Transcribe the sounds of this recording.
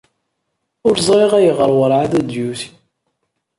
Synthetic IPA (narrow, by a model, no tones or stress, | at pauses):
ʊɾzˤɾˤeʁæjəʁəɾˤwəɾˤʕaðæd̪juθi̥